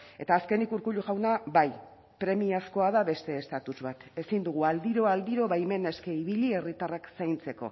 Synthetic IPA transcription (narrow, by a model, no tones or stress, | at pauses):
e̞t̪aːske̞nikuɾkuʎuʝawnaβaj | pɾe̞miasko̞aðaβe̞st̪e̞ːst̪at̪uzβat̪e̞sind̪uɣ̞uald̪iɾo̞ald̪iɾo̞βajme̞ne̞ske̞iβ̞iʎie̞rit̪araksajnt͡se̞ko̞̰